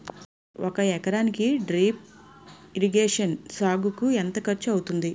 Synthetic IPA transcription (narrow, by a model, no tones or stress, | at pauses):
okɐɛkɐɾaːnikiɖɾiːp̚ | iɾiɡeːʂɐnsaːɡukuɛnt̪ɐkɐɾt͡ʃuɐwut̪und̪i